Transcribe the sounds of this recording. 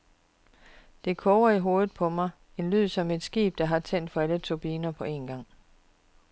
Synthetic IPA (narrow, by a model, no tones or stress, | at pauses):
d̥e̝kʰɔʊɐiɦo̝ːð̩ˠpʰɒ̽mɑ̈ɪ | e̝nlyð̰ˠsɒ̽me̝d̥sɡ̥ḭːb̥̚d̥ɑ̈ɦɑ̈t͡sʰen̰d̥fɒ̽ælət͡sʰo̝b̥iːnɐpʰɒ̽e̝nɡ̥ɑ̈ŋ̰